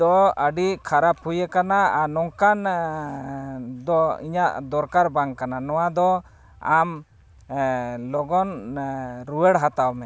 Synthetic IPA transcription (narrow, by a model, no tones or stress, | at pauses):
d̪ɔəɖiʔkʰaɾap̚hujɛkanaanɔŋkan | d̪ɔḭɲaʔd̪ɔɾkaɾbaŋkananɔwad̪ɔ | am | lɔɡɔn | ɾuwɛɽɦat̪awmɛ